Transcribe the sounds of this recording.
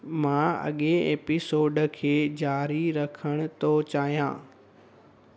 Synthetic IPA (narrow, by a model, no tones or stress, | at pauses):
mãɐ̰ɠeeːpɪsoːɖkʰeːd͡ʑaːɾiɾɐkʰəɽ̃ʊt̪ot͡ɕaːɦjã̰ː